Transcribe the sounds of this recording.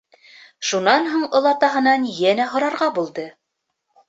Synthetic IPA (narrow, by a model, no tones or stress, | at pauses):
ʃunɑnɦuɴŏlˠɑt̪ɑɦɤ̆nɑnjænæɦŏɾɑɾʁɑbulˠd̪ɤ